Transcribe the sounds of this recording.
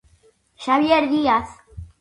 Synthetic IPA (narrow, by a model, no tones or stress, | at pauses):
ʃaβjeɾðiaθ